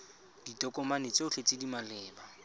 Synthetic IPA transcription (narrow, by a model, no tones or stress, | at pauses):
d̥itʼɔkʼɔmanet͡sʼeʊɬet͡sʼɪdimalɛːba